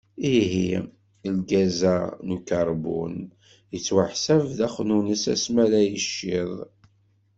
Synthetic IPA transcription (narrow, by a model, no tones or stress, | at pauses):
iɦi | əlɡæzænukɑɾˤbṵn | jət͡sːwaħsævðæχnunəsæ̰smælæjəʃːɪðˤ